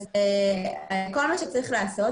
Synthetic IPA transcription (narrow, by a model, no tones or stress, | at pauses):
ze | kolmaʃet͡saɣiχleaso